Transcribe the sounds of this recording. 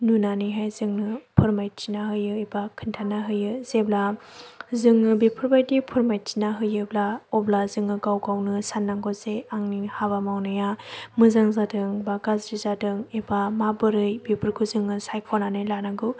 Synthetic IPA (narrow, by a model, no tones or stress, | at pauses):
nunaniɦajzɯŋnɯpʰɯɾmajt̚t͡ʃinaɦɯjɯibakʰɯntʰanaɦɯjɯzebla | zɯŋːɯbipʰɯɾbajdipʰɯɾmajt̚tinaɦɯjɯblaɔblazɯŋɯɡawɡawnɯsanːaŋɡɔzeaŋnihaβamawnɯjamɯzaŋzadɯŋbaɡazɾizadɯŋebamabɯɾɯjbipʰɯɾkʰuzɯŋːɯsajkʰɔnanɯjlanaɡɯ